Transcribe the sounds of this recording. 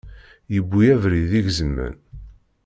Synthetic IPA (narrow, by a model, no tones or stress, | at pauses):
jəbːijævɾiðiʝzəmːə̰n